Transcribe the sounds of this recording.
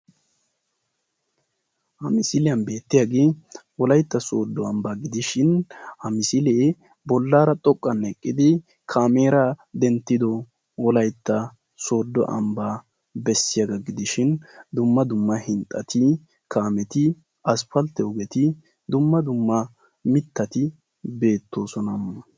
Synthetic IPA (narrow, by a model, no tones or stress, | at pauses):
hɐmɪsɪlɛjɐnbe̞ːt̪ːɪjɐɡewɔlɐjt̪ːɐsoːd̪ːɔɐmbaːɡɪd̪ɪʃɪnhɐmɪsɪleː | bɔlːaːɾɐt̪ʼɔkʼːɐnɛkʼːɪd̪ɪ | kʰaːmeːɾɐd̪ɛnt̪ːɪd̪ɔ | wɔlɐjt̪ːɐ | so̞ːd̪ːɔ̰ʔɐ̰mbaː | bɛsːɪjaɡɐɡɪd̪ɪʃɪnd̪ʊmːɐd̪ʊmːɐhɪnt̪ʼːɐt̪ɪ | kʰaːmɛt̪ɪ | ɐspɐlt̪ːɛɔɡɛt̪ɪ | d̪ʊmːɐd̪ʊmːɐ | mɪt̪ːɐt̪ɪ | be̞ːt̪ːo̞ːsɔnɐmːɐ